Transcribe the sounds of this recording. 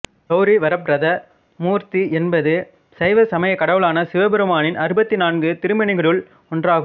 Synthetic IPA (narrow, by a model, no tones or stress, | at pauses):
t̪ɐʊɾiʋɐɾɐp̬ɾɐðɐ | muːɾt̪iʔɛnbɐðɯ | sɐɪʋɐsɐmɐjɐkːɐɽɐʋɯɭaːnɐsɪʋɐbɛɾɯmaːnɪnɐɾɯbɐt̪ːinaːnɡɯt̪ɪɾɯmɐɳɪɣɐɭɯɭ | ɔndraːɣɯm